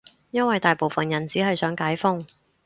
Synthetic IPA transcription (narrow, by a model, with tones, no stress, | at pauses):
jɐ˥nwɐ˨jt̪aː˨jpo˨wfɐ˨njɐ˨˩nt͡siː˨˥ɦɐ˨jsœː˨˥ŋkaː˨˥jfʊ˥ŋ